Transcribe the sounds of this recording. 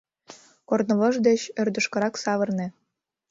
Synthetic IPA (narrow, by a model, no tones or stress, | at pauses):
kornŏlɤ̆ʒd̪et͡ɕørd̪ə̆ʃkɤ̆ɾɑksɑβɤ̆rnĕ